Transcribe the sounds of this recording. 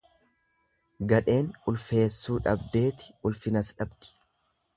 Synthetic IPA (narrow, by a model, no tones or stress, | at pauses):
ɡɐᶑe̞ːnʊlfe̞ːsːuːᶑɐbd̪e̞ːt̪ɪ̥ʊlfɪnɐsᶑɐbd̪̥ɪ̥